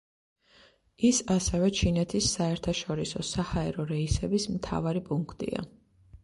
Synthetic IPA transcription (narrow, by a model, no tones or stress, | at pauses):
isasɛvɛt͡ʃʰinɛt̪ʰisːaɛɾt̪ʰaʃɔɾisɔsahaɛɾɔɾɛisɛbismt̪ʰa̰vaɾipʼuŋkʰt̪ʼḭa̰